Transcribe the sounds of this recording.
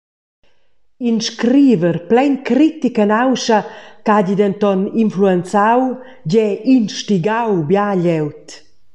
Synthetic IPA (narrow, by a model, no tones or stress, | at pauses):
inʃkɾiːvəɾplɛjnkɾit̪ikanawʃakaɟid̪ɛnt̪ɔninfluɛnt͡saw | ɟɛʔinʃtiɡawbjaʎɛwt̪